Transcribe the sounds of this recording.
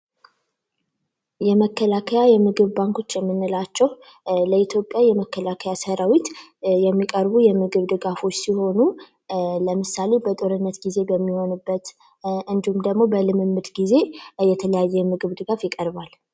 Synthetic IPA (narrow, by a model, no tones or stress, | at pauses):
jɛməkʰːəlakʰəjajɛmɨɡɨβbaŋko̞t͡ʃːjɛmːɨnːɨlat͡ʃːɛw | ləit̪ʰjo̞pʼjajɛməkːəlakʰəjasəɾawit̪jɛmːikʼəɾbujɛmɨɡɨβd̪ɨɡafo̞t͡ʃːsiho̞nu | ləmɨsale̞bət̪ʼo̞ɾɨnːət̪ɡize̞bəmːiho̞nɨbːət̪ | ɨnd̪ihumd̪əɡmo̞bəlɨmɨmːɨd̪ɡize̞jɛt̪ʰələjajːɛmɨɡɨβd̪ɨɡafjɪkʼəɾbal